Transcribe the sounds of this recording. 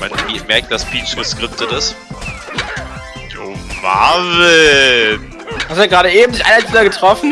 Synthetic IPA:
manvimɛɐk̚t̚d̥asbʰiːt͡ʃɡ̥əskʁ̥ɪp̚tətɪs | oːma̰ːvɪ | hastuaɡʁaːɾəʔeːbm̩zɪçʔa̰ɪnat͡sːɐɡətʁ̥ɔfn̩

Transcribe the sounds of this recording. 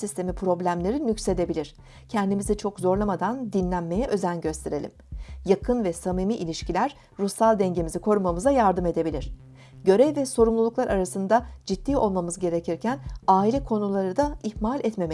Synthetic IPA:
sist̪ʰe̞mipʰɾo̞blʲæmlʲe̞ɾinycse̞d̪e̞bilʲiɾ̥ | cʰɛnd̪imizit͡ʃʰo̞kzo̞ɾlˠamad̪and̪inlʲænme̞jɛʔø̞zænɟø̞st̪ʰe̞ɾe̞lʲḭmjakʰɯnvɛsamiːmiʔilʲiʃcilʲæɾ | ɾusalˠd̪ɛɲɟe̞mizikʰo̞ɾumamɯzajaɾd̪ɯme̞d̪e̞bilʲiɾ̝̥ | ɟø̞ɾɛvvɛso̞ɾumlˠulˠuklˠaɾaɾasɯnd̪ad͡ʒit̪ːiːo̞lˠmamɯzɟe̞ɾe̞cʰiɾcʰænaːilʲɛkʰo̞nulˠaɾɯd̪aihmalʲɛt̪me̞m

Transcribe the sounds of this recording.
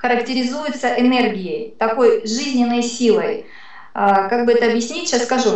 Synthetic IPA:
xəɾəktʲɪɾʲɪzujʊt̪səʔɪnerɡʲɪjəjt̪ɐko̞jʐɨzʲnʲɪnːəjsʲilˠəj | əkaɡ̚bɨɛt̪əɐbjɪsʲnʲitʲʃasːkɐʐu

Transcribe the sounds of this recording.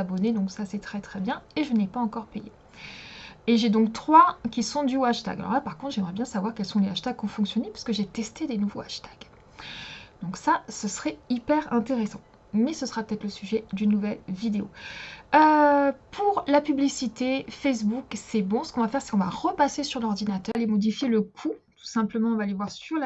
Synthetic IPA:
abɔned̪ɔ̃ksasɛt̪χɛt̪χɛbjɛ̃eʒənɛpaɑ̃kɔʁpejḛ | eʒed̪ɔ̃kt̪χwakʲisɔ̃d̪ywaʃt̪a̰ɡalɔ̰ʁlapaʁkɔ̃t̪χʒɛmʁɛbjɛ̃savwaʁkʲɛlsɔ̃leaʃt̪aɡ̚kɔ̃fɔ̃ksjɔnepɥi̥skəʒet̪ɛst̪ed̪enuvoaʃt̪ḁɡ̥ | d̪̥ɔ̃ksasəsəχɛipɛʁɛ̃t̪eʁɛsɑ̃ | mɛsəsəʁapø̥t̪ɛt̪χləsyʒɛd̪ynːuvɛlvid̪eo̰øpʰuʁlapyblisit̪efɛs̬buksɛbɔ̃sə̥kɔ̃vafɛʁsɛ̥kɔ̃va̰ʁəpasesyʁlɔʁd̪inat̪œʁemɔd̪ifjeləkʰut̪u̥sɛ̃pləmɑ̃ɔ̃valevwaʁsyʁla

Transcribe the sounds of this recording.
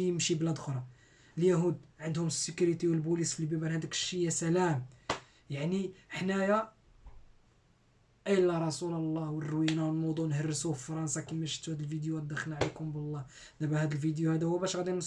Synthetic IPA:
əmʃiblæd̪xɾˤɑ | əljæɦud̪ʕənd̪hʊməsːəkuɾit̪iwəlbulisflibibæɾhæd̪əkʃːijːæsælæm | jaʕniħnæja | ʔəjlːæɾˤɑsuləlːɑhwərːwinawəlmʊd̪ˤuʔnhərːəsuffɑɾˤɑnsˤɑkimæʃi̥t̪ːuhæd̪əlfid̪juæd̪ːəxlnʕlikʊmbəlˤːɑ | næbæhæd̪əlfid̪juhæd̪æhʊwbæʃɣæd̪in

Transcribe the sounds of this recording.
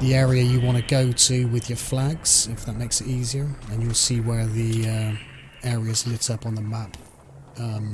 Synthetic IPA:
ðiɛːɹiəjəwɑ̃ñəɡoʊtʰəwɪðjə˞flaɡz̥ɪfðət̚meɪksɪɾiːziə˞ə̃njəlˠsiːwəðiʌ | ɛːɹiəzlɪksʌpn̩ðəmap | ʌ̃m

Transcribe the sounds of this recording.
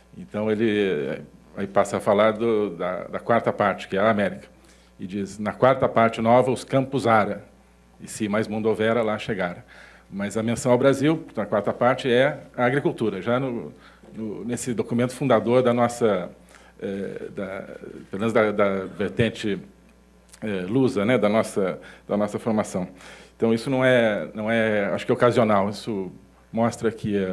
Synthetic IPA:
ḛ̃nt̪ɐ̃w̃elɪ̰ | aipasɐfalaɾd̪ʊd̪ɐ̰d̪ɐkwaɾt̪ɐpaɾt͡ʃɪ̥kɪɛɐːmɛɾikɐ̥ | ɪd͡ʒiznɐkwaɾt̪ɐpaɾt͡ʃɪnɔvɐʊskɐ̃pʊzaɾɐ | ɪsɪmajzmũnd̪ovɛɾɐlaʃeɡaɾɐ̃ | mɐzɐmẽsɐ̃w̃awbɾaziwnɐkwaɾt̪ɐpaɾt͡ʃɪɛɐaɡɾikuwt̪uɾɐʒanʊ | nʊnesɪd̪okumẽnt̪ʊfũnd̪ad̪oɾd̪ɐnɔsɐ | ɛd̪ɐpeɾomẽmʊzd̪ɐd̪ɐveɾt̪ẽnt͡ʃɪ | ɛluzɐnɛd̪ɐnɔsɐd̪ɐnɔsɐfoɾmasɐ̃w̃ẽt̪ɐ̃w̃isʊnɐ̃w̃ɛnɐ̃w̃ɛa̰ʃʊ̥kɛokazionawisʊ | mɔst̪ɾɐkʰɪa

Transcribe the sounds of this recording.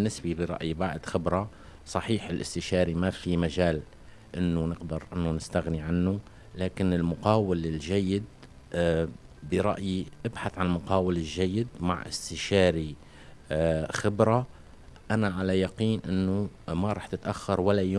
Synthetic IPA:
nːɪsbibɪɾˤɑ̰ʔjibaʕd̪xɪbɾˤɑ | sˤɑħiːħɪlʔɪ̰st̪ɪʃɑːɾimafimaʒaːl | ʔɪnːʊnɪqd̪ɪɾʔɪnːʊnɪst̪aɣniʕanːu | laːkɪnɪlmʊqɑːwɪlɪlʒajːɪd̪̚ | bɪɾˤɑ̰ʔjiʔɪbħaθʕanlmʊqɑːwɪlɪlʒajːɪd̪ma̰ʕʔɪ̰st̪ɪʃɑːɾi | xɪbɾˤa | ʔanaʕalajaqiːnʔɪnːʊmaɾˤɑːħt̪ɪt̪ʔaxːɑɾˤwalːajo

